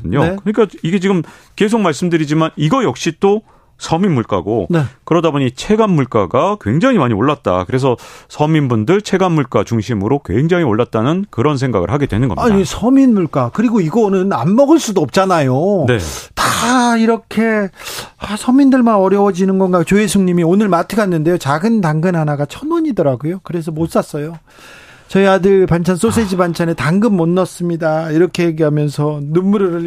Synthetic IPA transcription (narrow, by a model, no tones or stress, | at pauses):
dɯɲokɯɲik͈aiɡe̞t͡ɕiɡɯm | ke̞sʰok̚maɭs͈ɯmdɯɾid͡ʑimaniɡʌjʌk̚ɕ͈it͈o | sʰʌminmuɭk͈a̰ɡonkɯɾʌdaboɲit͡ɕʰe̞ɡanmuɭk͈aɡakwe̞ŋd͡ʑaŋimaɲioɭːat̚t͈a̰kɯɾe̞s̬ʰʌsʰʌminbundɯɭt͡ɕʰe̞ɡanmuɭk͈at͡ɕuŋɕʰimɯɾokweŋd͡ʑaŋioɭːat̚t͈anɯnkɯɾʌns̬ʰe̞ŋɡa̰ɡɯ̰ɭhaɡe̞dwe̞nɯnɡʌ̰miaɲdisʰʌminmuɭk͈akɯɾiɡoiɡʌnɯnanmʌɡɯɭs͈udoʌp̚t͡ɕ͈anajonḛtaiɾʌkʰe̞ | asʰʌmindɯɭmanʌɾjʌwʌd͡ʑinɯnɡʌnɡat͡ɕoesʰuŋɲimionɯɭmatʰɯɡanːɯnde̞jot͡ɕaɡɯntaŋɡɯnɦanaɡat͡ɕʰʌnwʌɲidʌɾaɡojokɯɾe̞s̬ʰʌmos͈as͈ʌjo | t͡ɕʌiadɯɭpant͡ɕʰans͈os̬ʰed͡ʑibant͡ɕʰanetaŋɡɯmːʌnːʌs͈ɯmɲidaiɾʌkʰe̞jeɡiɦamjʌnsʰʌnumːuɾɯɾɯ